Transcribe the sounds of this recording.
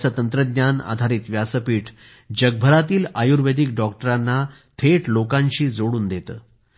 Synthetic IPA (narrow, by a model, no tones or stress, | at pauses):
sət̪ənt̪ɾəd̪ɲana̰d̪ʱaɾiːt̪ʋjasəpiːʈʰ | d͡ʑəɡ̚bʱəɾat̪iːlajuɾʋed̪ʱikɖɔk̚ʈəɾanːa | t̪ʰeʈlokãɲɕiːd͡zoɽuːnd̪et̪ə̰ː